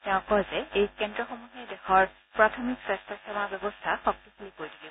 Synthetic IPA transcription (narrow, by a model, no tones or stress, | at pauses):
tɛʊ̃kɔzɛejkɛndɹɔxɔmuɦɛdɛxɔɹ | pɹatʰɔmiksɹɛstʰasɔmabɔbɔstʰaxɔk̚tixulikoɹidiɡi